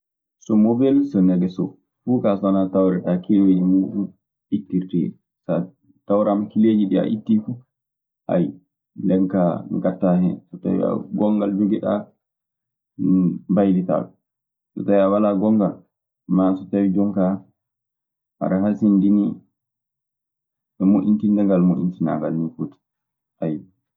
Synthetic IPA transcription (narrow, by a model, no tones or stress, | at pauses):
sɔmobɛlsɔnɛɡɛsɔ̰ | fuːkasɔnatawɾɛɗakewinimuːɗum | ʔitːiɾtɛ̰ | sa | tawɾamkileːd͡ʒiɗia̰ʔitːifu | ʔa̰j | lɛŋkaŋɡatːahɛ̰nsɔta̰wḭa̰ɡɔŋɡald͡ʒoɡɛɗa | mbajlita̰ɗɔ | sɔ̰tawiawalaɡɔŋɡal | masɔtawid͡ʒɔŋka | ʔa̰ɾahasindini | ɛmoʔintindɛŋɡalmoʔintina̰ɡalnifuti̥ | ʔaj